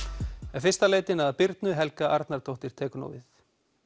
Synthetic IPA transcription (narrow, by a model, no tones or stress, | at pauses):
ɛnfɪr̥st̪aleːjt̪ɪnaðapɪɾt̪nʏɦɛlkaʔa̰ɾt̪naɾ̥t̪ʰowht̪ɪɾ̥t̪ʰɛːkʏno̰wvɪθ